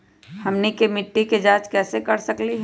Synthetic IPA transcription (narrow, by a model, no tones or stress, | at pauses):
hɐmnikemɪʈːiked͡ʒaːt͡ʃkɛːsekɐɾsəkliɦ